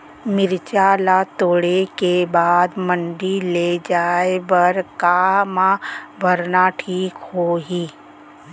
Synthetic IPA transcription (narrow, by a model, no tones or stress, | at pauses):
mɪɾt͡ʃaːlat̪oːɽekebaːd̪mə̃ɳɖiled͡ʒaːebəɾkamãbʱəɾnaʈʰiːkɦoːɦiː